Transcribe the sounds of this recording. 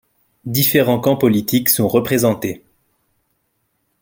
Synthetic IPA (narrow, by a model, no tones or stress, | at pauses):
d̪ifeʁɑ̃kɑ̃pɔlit̪iksɔ̃ʁəpχezɑ̃t̪e